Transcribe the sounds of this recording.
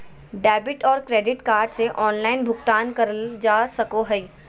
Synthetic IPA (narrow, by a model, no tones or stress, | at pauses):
ɖɛːbɪʈɔːɾkɾeːɖɪʈkaːɾɖseʔɔːnlaːɪnbʱʊɡt̪aːnkɐɾd͡ʒaːsɐkoɦɛi